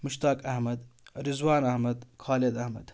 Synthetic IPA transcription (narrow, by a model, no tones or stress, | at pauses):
muʃt̪aːkɐhmɐd̪ɾizwaːnɐhmɐd̪kʰaːled̪ɐhmɐd̪̥